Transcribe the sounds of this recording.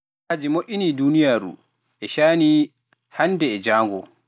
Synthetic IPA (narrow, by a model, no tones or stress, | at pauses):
ad͡ʒimoʔʲinidunijaːɾṵ | ʔɛʃaːni | handɛːd͡ʒaːŋɡɔ